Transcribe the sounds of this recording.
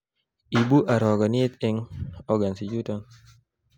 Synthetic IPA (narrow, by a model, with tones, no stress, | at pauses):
i˨bu˦ʔa˨ɾɔ˨ɡɔ˨n˦e˦t̪ɪ˦ŋɔɡa˨nsi˨d͡ʒutɔŋ